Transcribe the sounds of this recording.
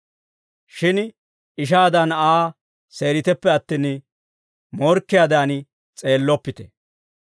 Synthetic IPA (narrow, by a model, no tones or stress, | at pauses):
ʃɪn | ɪʃ̬aːd̪ɐnaː | se̞ːɾɪt̪ɛpːɛɐt̪ːin | mɔɾkːɪjaːd̪aːn | t͡sʼe̞ːlːɔpːɪt̪ɛ̥